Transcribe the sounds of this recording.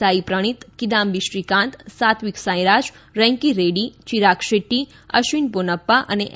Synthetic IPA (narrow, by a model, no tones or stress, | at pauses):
aipɾəɽ̃it̪kid̪ambiʃɾikãnt̪sat̪ʰʋiksãj̃ɾad͡ʒ | ɾɛ̃ŋkiɾeɖit͡ʃiɾakʃeʈːi | əʃʋinponəpːaʔə̰nḛʔ